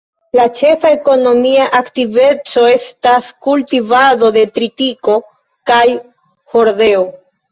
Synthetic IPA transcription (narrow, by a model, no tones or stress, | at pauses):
lat͡ʃe̞fae̞ko̞no̞miaʔaktive̞t͡so̞e̞staskultivado̞de̞tɾitiko̞ | kaj | ho̞ɾde̞o